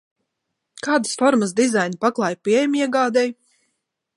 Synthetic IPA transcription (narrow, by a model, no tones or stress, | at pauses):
kaːd̪ɨsfɔɾməsd̪izajnpaklˠajpiɛjamʲiɛɡaːd̪ɛj